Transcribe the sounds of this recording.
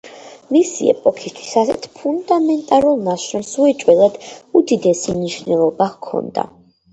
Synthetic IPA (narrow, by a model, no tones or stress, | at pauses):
misḭɛ̰pʼɔkʰist̪ʰwi̥sasɛ̰t̪ʰpʰund̪amɛnt̪ʼaɾulˠnaʃɾɔmsuɛt͡ʃʼwɛlˠad̪̥ud̪id̪ɛsimniʃnɛlˠɔbakʰɔ̰nd̪a̰